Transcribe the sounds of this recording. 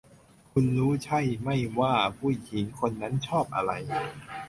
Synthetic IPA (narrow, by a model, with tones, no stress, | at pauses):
kʰu˧nɾuː˦˥t͡ɕʰa˥˩jma˥˩jwaː˥˩pʰuː˧˥˩jʰi˩˦ŋkʰo˧nːa˦˥nt͡ɕʰɔː˥˩p̚ʔa̰˧ɾa˧j